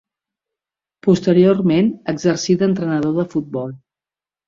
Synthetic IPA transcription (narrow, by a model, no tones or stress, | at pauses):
pust̪əɾiormenəɡzəɾsid̪ənt̪ɾənəðoðəfut̪̚bɔlˠ